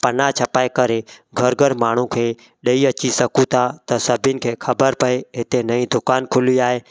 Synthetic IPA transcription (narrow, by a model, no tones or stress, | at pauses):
pənat͡ʃʰəpaːekəɾeɡʱəɾɡʱəɾmaːɳ̤ũkʰeː | ɗəiət͡ʃisəkũt̪ʰat̪əsɐbʱɪnɪ̆kʰeːkʰəbəɾpəeɦɪt̪enəĩd̪ʊkaːnkʰʊliaːɦeː